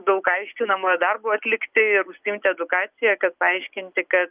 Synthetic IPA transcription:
d̪ɐʊkɐɪʃʲkʲɪnɐmoɛd̪ɐrboːɐt̪ʲlʲɪkt̪ʲɪɪɾʊsʲt̪ʲɪmʲt̪ʲɪɛd̪ʊkɑːt͡ssʲɪjɛkɐt̪̚pɐɐɪʃʲkʲɪnʲt̪ʲɪkɐt̪

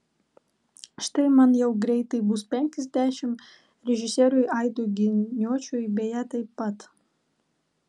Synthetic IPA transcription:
ʃt̪ɐɪmɐnjɛʊɡɾʲɛɪt̪ɐɪbʊspʲɛŋʲkʲɛzʲd̪ʲæːʃʲɪm | ɾʲɛʒʲɪsʲeːɾʊjʔɐɪd̪oɡʲɪnʲuɔt͡ʃʲuːjbʲeːjæt̪ɐɪpːɐt̪

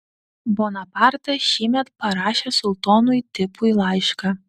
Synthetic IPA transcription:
boːnɐpɑˑɾt̪ɐʃʲiːmʲɛt̪pɐɾɑːʃʲesʊlˠt̪oːnʊjt̪ʲɪpʊilˠɑɪʃkɑ

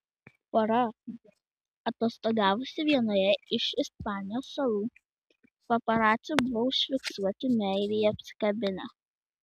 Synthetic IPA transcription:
poɾɐ | ɐt̪oːst̪oːɡɑːʋʊsʲɪʋʲiɛnoːjɛɪʃɪspɑːnʲɪjoːsːɐlˠuː | pɐpɐɾɑːt̪sʲubʊʋɔʊʃʲfʲɪksuɔt̪ʲɪmʲɛɪɾʲɪjɐpʲsʲɪ̥kɐbʲɪnʲɛ

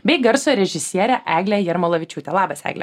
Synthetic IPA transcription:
bʲɛɪɡɐɾsoːɾʲɛʒʲɪsʲiɛɾʲɛʔæːɡlʲɛjɛɾmɐlˠɐʋʲɪt͡ʃʲuːt̪ʲɛlˠɑːbɐsæ̰ːɡlʲɛ̰

